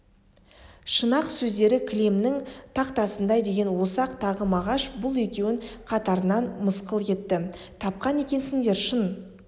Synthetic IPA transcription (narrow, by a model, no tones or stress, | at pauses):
ʃənɑqsɵzd̪e̞ɾɪkʲʰlʲemnɪŋt̪ʰɑqt̪ɑsənd̪ɑjd̪e̞ɡʲe̞nwo̞sɑqt̪ʰɑʁəmɑʁɑʃbʊlˠe̞kʲe̞wɪɴqʰɑt̪ɑɾənɑnməsqəlˠje̞t̪ːɪ | t̪ʰɑp̚qɑne̞kʲe̞nsɪŋd̪e̞ɾʃən